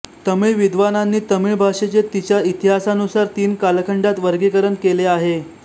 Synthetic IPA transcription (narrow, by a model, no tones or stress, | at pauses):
t̪əmiɭʋid̪ʋananːiːt̪əmiɭbʱaʂet͡ɕet̪it͡ɕjait̪iɦasanusaɾt̪iːnkalkʰəɳɖat̪ʋəɾɡikəɾənkeleaɦe